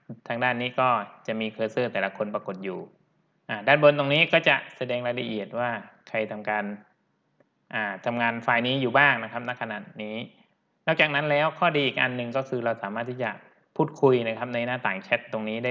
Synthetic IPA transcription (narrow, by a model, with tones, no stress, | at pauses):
t̪ʰaː˧ŋdaː˥˩nːiː˦˥kɔː˥˩t͡ɕa˨˩ʔmiː˧kʰɤː˧sɤː˥˩t̪ɛː˨˩la˧˦kʰo˧npɾa˧ko˨˩t̪̚juː˨˩ | ʔaː˧˩daː˥˩nbo˧nt̪o˧ŋniː˦˥kɔː˥˩t͡ɕa˨˩ʔsa˧dɛː˧ŋɾa˧la˧ʔi˨˩ət̪̚waː˥˩kʰa˧jt̪ʰa˧mkaː˧n | ʔaː˨˩t̪ʰa˧mŋaː˧nfaː˧jniː˦˥juː˨˩baː˥˩ŋna˦˥kʰa˦˥p̚na˦˥kʰːa˧na˨˩t̪niː˦˥ | nɔː˥˩k̚t͡ɕaː˨˩k̚na˦˥nlɛː˦˥wkʰɔː˥˩diː˧ʔiː˨˩k̚ʔa̰˧nːɯ˨˩ŋkɔː˥˩kʰɯː˧ɾa˧wsaː˩˦maː˥˩t̪ʰːiː˥˩t͡ɕa˨˩ | pʰuː˥˩t̪̚kʰu˧jna˦˥kʰa˦˥p̚na˧jnaː˥˩t̪aː˨˩ŋt͡ɕʰɛ˦˥t̪̚ːo˧ŋniː˦˥daː˥˩